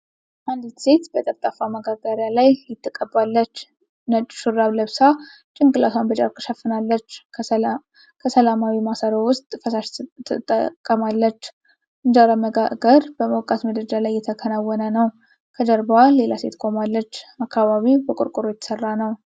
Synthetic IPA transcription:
ʔand̪se̞t̪bət̪ʼəɾt̪ʼafaməɡaɡaɾjalajjɪt̪ʰːɨkʼːəbalːət͡ʃː | nət͡ʃʼʃɨrːaβləβsa | t͡ʃʼɪŋɡʼɨlaswanbəd͡ʒa̰ɾkʰəʃəfːɨnalːət͡ʃː | kʰəsəlamawimasəɾəwʊst̪ʼfəsaʃʰt̪ʼːə̰kʼːəmalːət͡ʃː | ʔɨnd͡ʒaɾaməɡaɡəɾbəməwkʼat̪məd̪əd͡ʒalajːɛt̪ʰəkʰənawːɔnənəw | kʰəd͡ʒəɾbale̞lase̞̰t̪kʼomalːət͡ʃːakʰːaβaβibəkʷʼʊ̰ɾkʼuɾojɛt̪ʰə̥sərːanəw

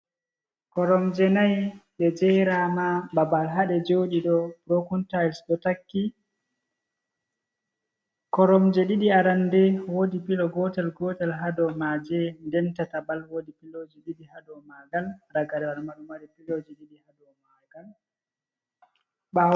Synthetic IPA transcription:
kɔɾɔmd͡ʒɛnajɗɛd͡ʒɛjɾamababalɦaɗɛd͡ʒoɗiɗɔb̥ɾokuntajlsɗɔtakːi | kɔɾɔmd͡ʒɛɗiɗiaɾandɛwodipilɔɡɔtɛlɡɔtɛlɦadɔmad͡ʒɛndɛntatabalwodipilod͡ʒɛɗiɗihadɔmaɡalɾaɡaɾɛaɾmaɗumaɗɛpilod͡ʒɛɗiɗihadɔmaɡ̥al | ɓa

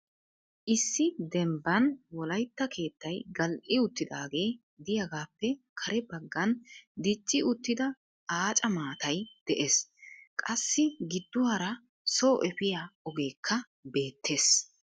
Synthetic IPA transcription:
ʔɪsːɪd̪ɛmbɐnwɔlɐjt̪ːɐkʰe̞ːt̪ːɐjɡɐlʔɪʊt̪ːɪd̪aːɡe̞ː | d̪ɪjɐɡaːpːɛkʰɐɾɛbɐɡːɐnd̪ɪt͡ʃʼːɪʊt̪ːɪd̪ɐ | aːt͡ʃʼɐmaːt̪ɐjd̪̥ɛʔeːskʼɐsːɪɡɪd̪ːʊhɐɾɐ | soːʔɛfɪjaɔɡe̞ːkʰːɐ | be̞ːt̪ːe̞ːs

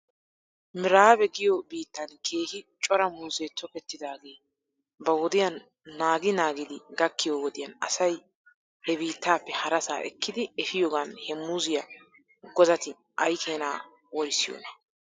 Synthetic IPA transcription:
mɪɾaːbɛɡɪjɔbiːt̪ːɐnkʰe̞ːhɪt͡ʃʼɔɾɐmuːzeːt̪ʰɔkɛt̪ːɪd̪aːɡe̞ː | bɐwɔd̪ɪjɐnː | aːɡɪnaːɡɪd̪ɪɡɐkːɪjowɔd̪ɪjɐnɐ̰sɐj | hɛbiːt̪ːaːpːɛhɐɾɐsa̰ːʔɛ̰kːɪd̪ɪɛfɪjɔːɡanhɛmuːzɪjɐ | ɡɔzɐt̪ɪ | ʔɐjkʰeːnaː | wɔɾsɪjo̰ːnɐ̥

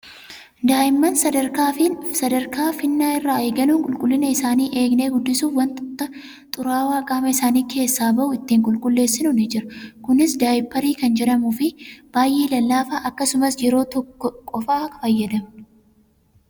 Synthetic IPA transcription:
d̪aːjɪmːɐnsɐd̪ɐɾkaːfɪsɐd̪ɐɾkaːfɪnːaːɪrːaːe̞ːɡɐnuːŋkʼʊlkʼʊlːɪnɐɪsaːniːʔe̞ːɡne̞ːɡʊd̪ːɪsuːfwɐnt̪t̪ːɐ | t̪ʼʊɾaːwaːkʼaːmɐɪsaːniːkʰe̞ːsːaːbɐʔʊɪt̪ːiːŋkʼʊlkʼʊlːe̞ːsːɪnɔned͡ʒɪɾɐkʊnɪsd̪aːjɪpːɐɾiːkɐnd͡ʒɛᶑɐmufɪb̥aːjʔeːlɐlːaːfaːʔɐkːɐsʊmɐsjɛɾo̞ːt̪ɔkːɔkʼɔfaːkɐfɐjːɐd̪ɐm

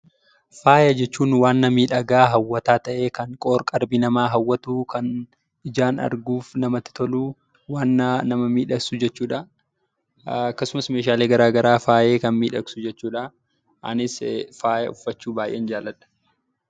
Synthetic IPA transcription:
faːjɐd͡ʒɛt͡ʃːuːnwaːnːɐmiːᶑɐɡaːɦɐwːɐt̪aːt̪ɐʔe̞ːkɐŋkʼoːɾkʼɐɾbinɐmaːɦɐwːɐt̪uːkɐn | ɪd͡ʒaːnɐ̰ɾɡuːfnɐmɐt̪ɪ̥t̪ɔluː | waːnːɐnɐmɐmiːᶑɐksʊd͡ʒɛt͡ʃːuːᶑɐ | ɐkːɐsʊmɐsme̞ːʃ̬aːleːɡɐɾaːɡɐɾaːfaːje̞ːkɐnmiːᶑɐksʊd͡ʒɛt͡ʃːuːᶑɐ | ʔɐ̰nɪsfaːjɐ̰ʊfːɐt͡ʃːuːbaːjʔeːnd͡ʒaːlːɐᶑɐ̥

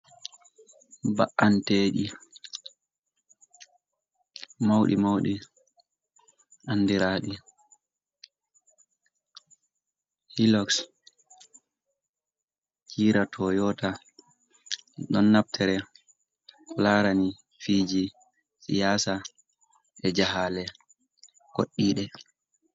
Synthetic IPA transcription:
ba̰ʔːanteːɗi | mawɗḭmawɗi | ʔanːdiɾaːɗi | hilɔks | t͡ʃiːɾatʰɔjɔːta | ɗɔnːab̚tʰɛɾɛ | kɔlaːɾani | fiːd͡ʒi | sḭjaːsa | ʔɛd͡ʒaɦaːlɛ | ko̰ɗːiːɗɛ

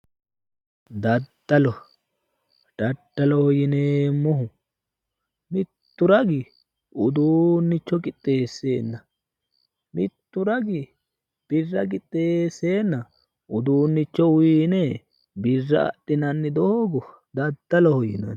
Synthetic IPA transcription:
d̪ɐd̪ːɐlɔ | dɐʈːɐlɔhɔjɪneːmʊɦʊ | mɪt̪ːʊɾɐɡɪ | ʊd̪uːnːɪt͡ʃːɔkʼɪt̪ʼːe̞ːsːe̞ːnːɐ | mɪt̪ːʊɾɐɡɪ | b̥ɪrːɐk̬ɪt̪ʼːe̞ːse̞ːnːɐ | ʊd̪uːnːɪt͡ʃːɔʊjɪne | bɪrːɐ̰ɐ̰tːɪnɐnːɪd̪oːɡɔ | d̪ɐd̪ːɐlɔhɔjɪnɐ̰n

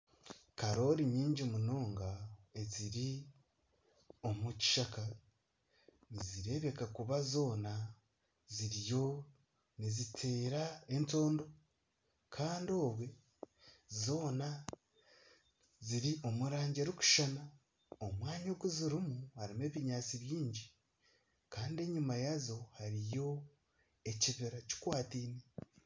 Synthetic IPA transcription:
kaɾo̞ɾiɲiːɲɟimuno̞ːŋɡae̞ziɾi | o̞muci̥ʃaka | niziɾe̞βe̞kakuβazo̞ːna | ziɾjo̞ | nizitʰe̞ːɾae̞nto̞ːndo̞ | kʰaːndo̞ːβwe̞ | zo̞ːna | ziɾio̞muɾaːɲɟeɾuku̥ʃana | omwaːɲoɡuziɾimuhaɾime̞ːβiɲaːt͡siβjiːɲɟi | kaːndie̞ɲumajazo̞haɾijo̞ | e̞ciβeɾaci̥kwaːtiːne

